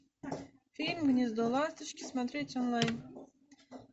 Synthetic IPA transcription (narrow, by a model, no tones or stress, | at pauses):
fʲilʲmʲːɨnʲizd̪olˠast̪ɨʃkʲismat̪ɾʲetʲɔnlˠajn